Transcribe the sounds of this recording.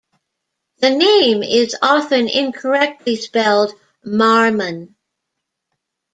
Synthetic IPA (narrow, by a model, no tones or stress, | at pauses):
ðɨnẽɪ̃mɪzɑfɨ̃nɪ̰̃nkʰə˞ɛk̚tʰˡlispɛlˠd | mɑɹmɨ̃n